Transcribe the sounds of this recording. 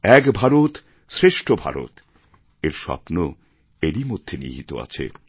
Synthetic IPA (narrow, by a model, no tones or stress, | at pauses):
ɛkbʱaɾot̪ | sɾeʃʈʰobʱa̰ɾo̰t̪ | eɾʃɔ̰pno | eɾimod̪ʱːenḭɦit̪o̰a̰t͡ɕʰḛ